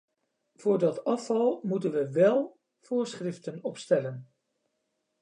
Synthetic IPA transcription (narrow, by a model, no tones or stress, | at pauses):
v̥ʊːɹdɑtɑfɑlˠmutənʋəʋɛlˠ | v̥ʊːɹsχrɪftənɔpstɛlən